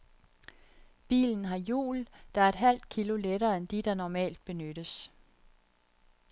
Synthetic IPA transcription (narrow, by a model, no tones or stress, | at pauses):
b̥ḭːln̩ɦɑ̈jṵːld̥ɑ̈æɐe̝d̥ɦæl̰d̥̚kʰiloleɾɐːend̥id̥ɑ̈nɒmɛ̰ːld̥̚b̥e̝nøɾ̥əs